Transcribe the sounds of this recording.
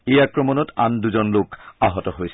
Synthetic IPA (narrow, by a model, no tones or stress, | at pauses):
ejakɹɔmɔnɔta̰nduzɔnlokaɦɔtɔɦojsɛ